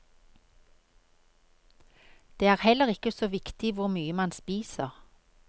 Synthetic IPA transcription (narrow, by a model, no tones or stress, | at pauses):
d̪̥eːæːʁhɛləʁɪkəsoːʋɪkt̪ɪʋʊʁmyːəmɑnspiːsəʁ